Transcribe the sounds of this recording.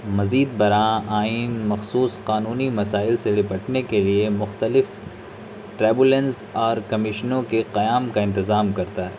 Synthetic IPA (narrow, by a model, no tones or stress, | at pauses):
mɐziːd̪̚bɐɾaːaːiːnmɐxsuːsqaːnuːnimɐsaːɪlselɪpɐʈnekeliemʊxt̪əlɪf | ʈɾɛːbʊlə̃nsɔːɾkɐmɪʃnõkeqɐjaːmkaɪ̃nt̪ɪzaːmkɐɾt̪aɦɛː